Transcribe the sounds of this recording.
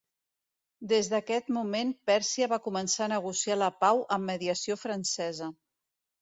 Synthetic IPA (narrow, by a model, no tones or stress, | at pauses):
d̪ezðəkɛt̪mumenpɛɾsiəβakumənsanəɣusialəpawʔəmːəðiəsiofɾənsɛzə